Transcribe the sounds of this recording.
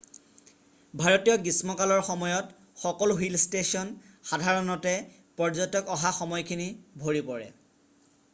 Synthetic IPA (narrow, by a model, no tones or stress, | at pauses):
bʱaɹɔtijɔɡismɔkalɔɹxɔmɔjɔt | xɔkɔlʊɦilstesiɔn | xadʱaɹɔnɔtɛ | pɔɹzɔjtɔkɔɦaxɔmɔjkʰinibʱoɹipɔɹɛ̰